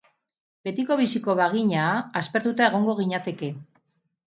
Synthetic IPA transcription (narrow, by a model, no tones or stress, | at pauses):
be̞t̪iko̞β̞isiko̞βaɣ̞iɲaːspe̞ɾt̪ut̪ae̞ɣ̞o̞ŋɡo̞ɣ̞iɲat̪e̞ke̞